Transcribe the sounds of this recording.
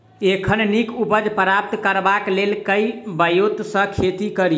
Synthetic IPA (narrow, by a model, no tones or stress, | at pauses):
ekʰənnikupəd͡ʒpɾap̚t̪kəɾbaklelkəjbəjut̪sə̃kʰet̪ikəɾi